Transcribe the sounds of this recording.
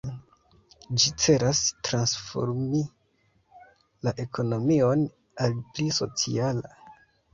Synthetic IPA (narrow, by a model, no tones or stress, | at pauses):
d͡ʒit͡se̞ɾastɾansfo̞̰ɾmi | laʔe̞kʰo̞no̞mio̞n | alpliso̞̰t͡sḭala